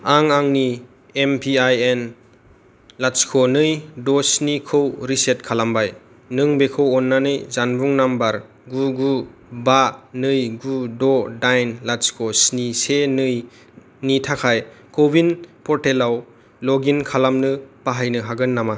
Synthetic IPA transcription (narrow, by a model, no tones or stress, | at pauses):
aŋaŋni | empʰiajen | laskʰɔnɯjdɔsnikʰɯwɾiset̚kʰalambaj | nɯŋbekʰɯwɔnːanɯjzanbuŋnambaɾ | ɡuɡubanɯjɡudɔdajnlaskʰɔsnisenɯj | nitʰakʰajkobinpɔɾtelaw | lɔɡinkʰalamnɯpaɦajnɯɦaɡɯnːama